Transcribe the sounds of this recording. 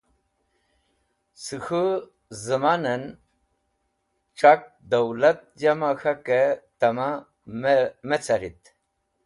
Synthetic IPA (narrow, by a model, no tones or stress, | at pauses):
sixə | zəmanan | ʈ͡ʂak̚d̪awlat̪̚d͡ʑamaxaket̪ama | met͡saɾit̪